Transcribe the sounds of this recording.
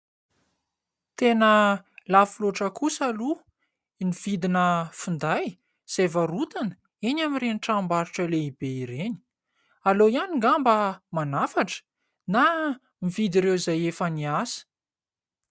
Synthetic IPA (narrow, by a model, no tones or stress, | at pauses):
t̪enəlafuloʈ͡ʂəkusalu | nivid̪inəfund̪aj | z̥evərut̪anə̥ | eɲamireniʈ͡ʂambaɾiʈ͡ʂəleibeiɾeni̥ | alojaniŋɡambəmanafaʈ͡ʂə̥ | na | mivid̪iɾewizajefəniasə̥